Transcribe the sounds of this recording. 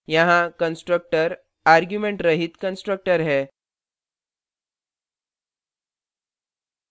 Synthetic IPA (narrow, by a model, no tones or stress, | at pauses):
jãɦãkənsʈɾək̚ʈəɾ | aɾɡjumeɳʈɾəɦiːt̪kənsʈɾək̚ʈəɾɦɛ